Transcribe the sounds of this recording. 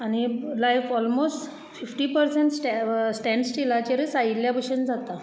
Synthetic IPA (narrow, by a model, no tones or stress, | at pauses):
añilajfɔlmosʈ | fifʈipəɾseɳʈsʈɛsʈɛ̃ɳɖsʈilat͡ɕeɾisailjabəɕənd͡zat̪a